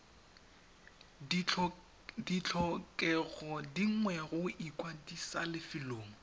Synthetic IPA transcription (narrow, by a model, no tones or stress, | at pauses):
dit͡ɬʰɔkʼɛɣɔdiŋwɛɣʊʔikʼwadisalɪfɪloːŋ̩